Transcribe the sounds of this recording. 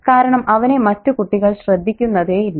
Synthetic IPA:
kaːɾɐɳɐmʔɐʋɐne̞mɐtːukuʈːiɣɐɭɕrɐd̪ʱːikʲːunːɐðeːjilː

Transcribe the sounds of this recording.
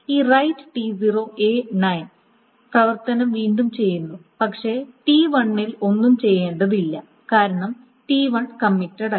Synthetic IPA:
iːrɐjtːɨ̥ʈiziroːʔe̞ːnɐjn | prɐʋɐrt̪ɐnɐmʋiːɳɖumt͡ɕe̞jːunːupɐkʂe̞ʈiːʋɐɳːilo̞nːumt͡ɕe̞jːeːɳɖɐðilːɐ | kaːɾɐɳɐm | ʈiːʋɐɳkɐmːiʈːɐɽɐ

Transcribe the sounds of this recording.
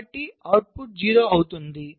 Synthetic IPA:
ʈːiaːwʈ̚puʈ̚d͡ʒiːɾoːɐwut̪und̪i

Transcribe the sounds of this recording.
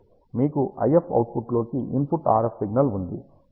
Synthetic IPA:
miːkuʔɐ̰jepʰɐ̰wʈ̚pʰuʈloːkiʔimpuʈːa̰ːɾɐfsiɡnɐlund̪ḭ

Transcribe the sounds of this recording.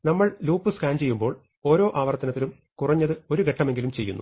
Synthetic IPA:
nɐmːɐɭluːpːɨskaːnt͡ɕe̞jːumbo̞ːɭ | o̞ːɾo̞ːʔaːʋɐrt̪ːɐnɐt̪ːilum | kurɐɲːɐðɨo̞ɾuɡʱeʈːɐme̞ŋɡilumt͡ɕe̞jːṵnːṵ

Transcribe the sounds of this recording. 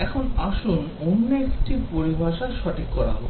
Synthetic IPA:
ɛkʰonaʃun | onːeekʈipoɾibʱaʃaʃɔʈʰikːɔɾa̰ɦɔ̰b

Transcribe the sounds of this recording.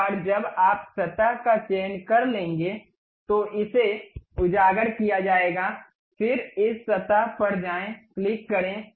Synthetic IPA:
ɔːɾd͡ʒɐbaːpsɐt̪aɦkat͡ʃeːnkɐɾlẽːŋɡe | t̪oʔɪseʊd͡ʒaːɡəɽkijad͡ʒaːeːɡaː | fɪɾɪsːɐt̪aɦpɐɾd͡ʒaːẽklɪkːɐɾẽː

